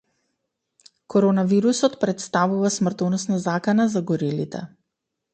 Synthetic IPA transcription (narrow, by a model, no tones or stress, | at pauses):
kɔɾɔnaviɾusɔt̪pɾɛt̪st̪avuvasmr̩t̪ɔnɔsnazakanazaɡɔɾilit̪ɛ̰